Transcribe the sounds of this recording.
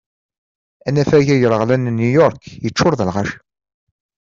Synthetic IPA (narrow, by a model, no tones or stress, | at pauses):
ænæfæʝæjəɾəʁlænnujɔɾˤkjət͡ʃːʊɾðəlʁaʃ